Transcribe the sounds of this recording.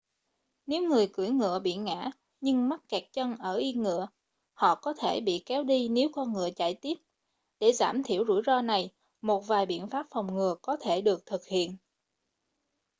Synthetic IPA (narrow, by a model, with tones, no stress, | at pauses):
ne˨˦wŋɨ˨˩əjkɨ˧˩əjŋɨ̰˧˨əɓḭ˧˨ŋa̰ː˧˥ | ɲɨ˧ŋma˦˥t̚kɛ˨˩k̚t͡ɕə˧nʔəː˧˩ʔi˧ŋɨ̰˧˨ə | hɔ̰˧˨kɔ˨˦t̪ʰe˧˩ɓḭ˧˨kɛ˨˦wɗi˧ne˨˦wkɔ˧nŋɨ̰˧˨ət͡ɕaː˧˩jt̪i˦˥əp̚ | ɗe˧˩za̰ː˧˩mt̪ʰi˧˩əwzṵ˧˩jzɔ˧na˨˩j | mo˨˩t̚vaː˨˩jɓḭ˧˨ənfaː˦˥p̚fa˨˩wŋ͡mŋɨ˨˩əkɔ˨˦t̪ʰe˧˩ɗɨ˨˩ək̚t̪ʰɨ˨˩k̚hḭ˧˨ən